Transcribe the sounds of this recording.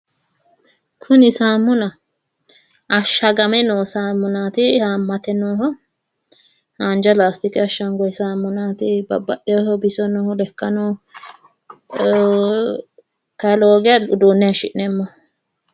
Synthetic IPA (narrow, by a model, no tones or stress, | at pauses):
kʰʊnɪsaːmːʊnɐ | ɐʃːɐɡɐmɛnoːsaːmːʊnaːt̪ɪhaːmːɐt̪ɛnoːɦɔ | haːnd͡ʒɐlaːst̪ɪkɛɐʃːɐŋɡɔjsaːmːʊnaːt̪ɪbɐ̰bːɐʔɛɔɦɔbɪsɔnɔhɔlɛkːɐnɔ | kɐloːɡɛjɐʊd̪uːnːɛɐʃɪʔnɛmːɔ